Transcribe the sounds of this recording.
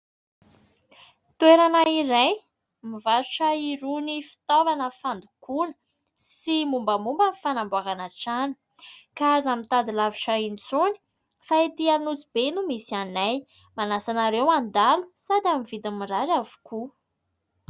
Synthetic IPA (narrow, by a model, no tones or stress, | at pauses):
t̪eɾanaiɾej | mivasu̥ʈ͡ʂaiɾunifi̥t̪ovanəfand̪ukunə̥ | simumbəmumbənifanambuakanaʈ͡ʂani̥ | kaazamint̪ad̪ilavuʈ͡ʂaint͡suni̥ | faet̪ianuzibenumisianaj | manasanaɾewand̪alu̥sad̪amivid̪imiraɾavu̥ku